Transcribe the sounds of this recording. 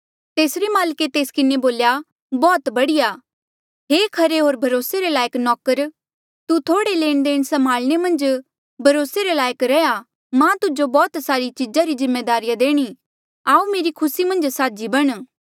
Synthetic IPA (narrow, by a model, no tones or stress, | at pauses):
t̪eːsɾemaːlket̪eːskɪneboːlja | bɔːt̪bɐɽɪja | ɦeːkʰɐɾeɦoːɾbʱɐɾoːseɾelaːjəknɔːkəɾ | t̪ut̪ʰoːɽeleːɽ̃d̪eːɽ̃sɐmaːlɽ̃emɐ̃nd͡ʒ | bʱɐɾoːseɾelaːjəkɾɛja | mãt̪ʊd͡ʒobɔːt̪saːɾit͡ʃid͡ʒaɾizɪmːeːd̪aːɾijad̪eːɽ̃i | aːumeːɾikʰʊsimɐ̃nd͡ʒsaːd͡ʒibɐɽ̃